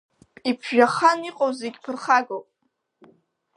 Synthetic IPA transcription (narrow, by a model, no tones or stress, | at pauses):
pʼipʰʒʒaχaniqʼowzeɡʲpʰɨrχaɡopʼ